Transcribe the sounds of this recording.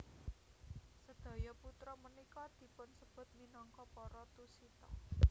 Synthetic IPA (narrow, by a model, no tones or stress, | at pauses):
səd̪̥a̤jɔput̪ɾɔmənikɔd̪̥i̤pʊnsəb̥ʊ̤t̪̚minɔŋkɔpɔɾɔt̪usit̪ɔ̰